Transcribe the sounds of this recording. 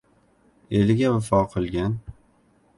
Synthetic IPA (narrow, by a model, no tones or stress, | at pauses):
elɪɡʲawɪfɒqʰɨlˠɡʲan